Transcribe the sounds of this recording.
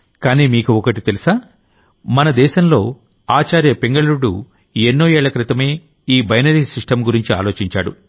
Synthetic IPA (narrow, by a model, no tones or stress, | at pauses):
kaːniːmiːkuɔkɐʈit̪e̞lisaː | mɐnɐd̪ɛːʃɐmlo̞ː | aːt͡ʃaːɾjɐpeŋɡɐɭɐɾuɽu | enːoːɛːɭɐkɾit̪ɐme̞ː | iːbɐjnɐɾiːsiʂʈɐmɡuɾiɲt͡ʃia̰ːlo̞ːt͡ʃiɲt͡ʃa̰ːɽṵ